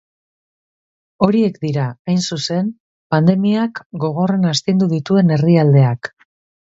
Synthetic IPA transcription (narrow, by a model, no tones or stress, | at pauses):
o̞ɾie̞kd̪iɾaajnsuse̞n | pand̪e̞miakɡo̞ɣ̞o̞re̞nast̪ind̪uðit̪ue̞ne̞riald̪e̞ak